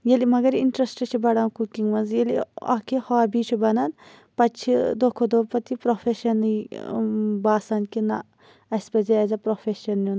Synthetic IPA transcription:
jelimɐɡɐɾiɳʈɾɐsʈɨt͡ʃʰibɐɽaːnkukiŋɡmɐnzjeliɐ̰kʰihaːbit͡ʃʰibɐnɐn | pɐt͡ʃʰid̪okʰod̪opɐt̪ipɾofʰeʃɐn | baːsɐnʲkinɐ | ɐsʲpɐzeɐzɐpɾofeʃɐnːun

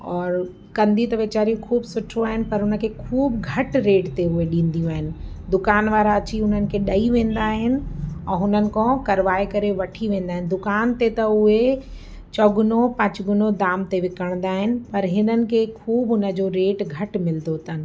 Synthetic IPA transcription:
ɔːɾ | kɐ̃nd̪ʱit̪ɐʋeːt͡ɕaːɾijũkʰuːbsʊʈʰoaːɦɪnɪ̆pɐɾʊnə̆kʰekʰuːbɡʱɐʈɾeːʈt̪eʊɦeɗĩːn̆d̪ijũaːɦɪnɪ̆ | d̪ʊkaːnʋaːɾaɐt͡ɕiʊn̤ənɪ̆kʰeɗɐiʋẽːn̆d̪aːɦɪnɪ̆ɛ̃ːɦʊnənɪ̆kʰõkɐɾʋaːekɐɾeʋɐʈʰiʋẽːnd̪aːɦɪnɪ̆d̪ʊkaːnt̪et̪ɐʊɦe | t͡ɕɔːɡʊnopɐ̃t͡ɕɡʊnod̪aːmt̪eʋɪkəɽ̃nd̪aːɦɪnɪ̆pɐɾɦɪnənɪ̆kʰekʰuːbʊnə̆d͡ʑoɾeːʈɡʱɐʈmɪld̪ʱot̪ʰɐnɪ̆

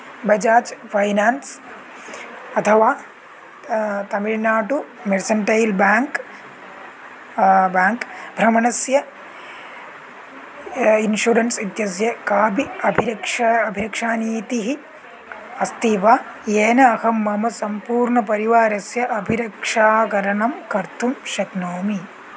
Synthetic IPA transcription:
bɐd͡ʒaːt͡ʃpʰɐjnaːns | ɐt̪ʰɐʋaː | t̪ɐmiɻnaːʈu | meɾsɐɳʈɐjlbaːŋk | baːŋkbʱɾɐmɐnɐsjɐ | inʃuɾɐnsit̪jɐs̬jɐkaːbiɐbʱiɾɐkʂaɐbʱiɾɐkʂaːniːt̪iɦi | ɐst̪iʋaː | jeːnɐːhɐmːɐmɐsɐmpuːɾɳɐpɐɾiʋaːɾɐsjɐʔɐbʱiɾɐkʂaːkɐɾɐɳɐmkɐɾt̪ʰumʃɐknoːmi

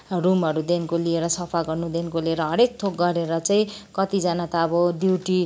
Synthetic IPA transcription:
rumʌɾud̪enkolieɾʌsʌpʰaɡʌrnud̪enkolieɾʌɦʌɾek̚t̪ʰok̚ɡʌɾeɾʌt͡sʌĩkʌt̪id͡zanat̪aːbʌd̪iwʈi

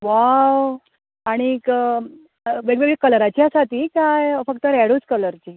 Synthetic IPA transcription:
ʋaw | aɽ̃ik | ʋeɡʋeɡɭekələɾat͡ɕjasaʈ̪iːkajfəkt̪əɾɛɽot͡skələɾt͡ɕiː

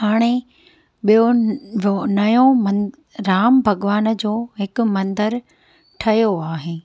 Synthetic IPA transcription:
haːɽ̃e | ɓijo | nɐjõmɐn | ɾaːmbʱɐɡʋaːnd͡ʑoːɦɪkʊ̆mɐ̃nd̪əɾ | ʈʰɐjoaːɦeː

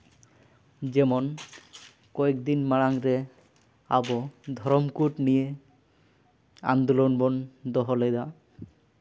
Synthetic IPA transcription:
d͡ʒɛmɔn | kɔekd̪inmaɭaŋɾe | a̰bɔd̪ʱɔɾɔmkuʈnije | a̰nd̪olɔnbɔnd̪ɔɦɔlejd̪a

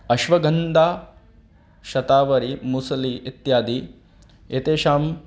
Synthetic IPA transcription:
ɐʃʋɐɡʱɐnd̪ʱaː | ʃɐt̪aːʋɐɾimusɐliit̪jaːd̪i | et̪eːʃaːm

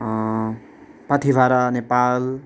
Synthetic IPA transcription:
pʌt̪ʰibʱaɾʌnepal

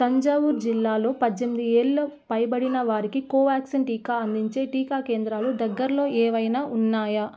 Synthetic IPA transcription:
sɐɲd͡ʒɐwuɾd͡ʒilːaːlo̞ːpɐd͡ʒ̪ːemid̪ieːɭːopɐjbɐɽinɐʋaːɾikikoːʋaːksɐnʈiːkaːɐnd̪iɲt͡ʃe̞ːʈiːkaːke̞ːnd̪ɾaːlud̪ɐɡːɐɾɐlo̞ːʔɛːʋɐjnaːʔunːaːjɐ

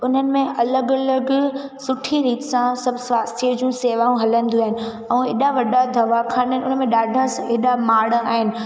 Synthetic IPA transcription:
ʊn̤ənɪ̆mẽʔɐləɡələɡsʊʈʰiɾiːt̪sãsɐbʱsʋaːst̪ʰiəd͡ʑũseːʋaːũɦɐlə̃nd̪juaːɦɪnɪ̆ | ɛ̃ːeːɗaʋɐɗad̪ʱɐʋakʰaːnənʊnəmẽɗaːɖʱaseɦɗamaːɽaːɦɪnɪ̆

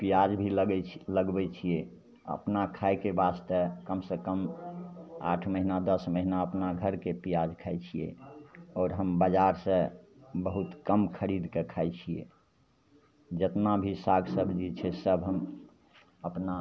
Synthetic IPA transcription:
pijad͡ʒbʱilɛləɡbɛt͡ʃʰie | ə̰pnakʰaekebast̪ekəmsekəm | a̰ʈʰməɦinad̪əsməɦinaəpnaɡʱəɾkepijad͡ʒkʰaɛt͡ʃʰijḛɔːɾɦəmbad͡ʒaɾsə̃ | bəɦut̪kəmkʰəɾid̪kekʰaɛt͡ʃʰiḛ | d͡ʒət̪nabʱisaɡsəbʱd͡ʒit͡ʃʰɛsəbʱɦəm | əpna

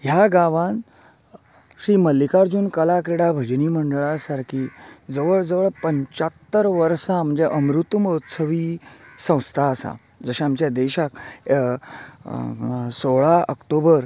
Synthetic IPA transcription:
ɦjaɡaʋãn | ɕiːməlːikaɾd͡zuːnkəlakɾiɽabʱəd͡ʑniːməɳɖəɭasaɾkʰiːd͡zəʋəɭd͡zəʋəɭpəɲt͡ɕat̪ːəɾʋəɾsãm̤əɳd͡zeʔəmɾut̪ːmət̪səʋiːsə̃w̃st̪ʰaːsa̰ | d͡zəɕaamt͡ɕjad̪eɕak | soɭaə̰kʈobəɾ

